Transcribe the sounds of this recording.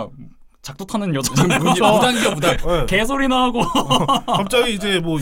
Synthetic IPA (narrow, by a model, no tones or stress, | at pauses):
t͡ɕak̚t͈otʰanɯnjʌd͡ʑʌdaŋɡjʌbodakes̬ʰoɾinaɦaɡo | kʰat͡ɕ͈aɡiːd͡ʑe̞mwʌ